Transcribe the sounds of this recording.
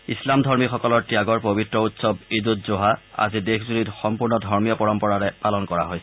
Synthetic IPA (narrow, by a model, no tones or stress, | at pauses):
islamdʱɔɹmixɔkɔlɔɹtijaɡɔɹpobitɹɔutsɔbidut̚zoɦaa̰zidexʰzulitxɔmpuɹnɔdʱɔɹmijɔpɔɹɔmpɔɹaɹɛpalɔnkɔɹa̰ɦojsɛ